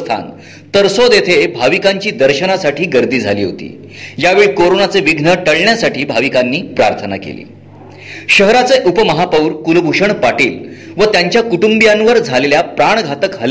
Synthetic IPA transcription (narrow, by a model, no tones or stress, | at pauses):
t̪ʰa̰n | t̪əɾsod̪et̪ʰebʱaʋikaɲt͡ɕiːd̪əɾɕənasaʈʰiːɡəɾd̪iːd͡zʱa̰lḭːɦo̰t̪ḭː | jaʋeɭkoɾonat͡seʋiɡʱnəʈəɭɳjasaʈʰiːbʱaʋikanːiːpɾa̰ɾt̪ʰəna̰kḛlḭː | ɕəɦɾat͡seʔupəməɦapəwɾkulbʱuʂəɳpaʈḭːl | ʋət̪jaɲt͡ɕjakuʈumbjãnʋəɾd͡zʱaleljapɾaɳɡʱat̪əkɦəl